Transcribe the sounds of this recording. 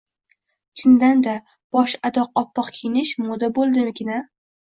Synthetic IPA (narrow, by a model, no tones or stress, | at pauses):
t͡ʃʰɪnd̪and̪a | b̥ɒʃad̪ɒqɒpʰːɒqkʲʰijɪnɪʃmʊd̪abolˠd̪ɪmɪɡʲɪna